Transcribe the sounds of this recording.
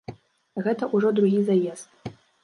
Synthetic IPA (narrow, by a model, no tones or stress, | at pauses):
ɣɛt̪ɐʔuʐɔd̪ɾuɣʲizajɛst̪̚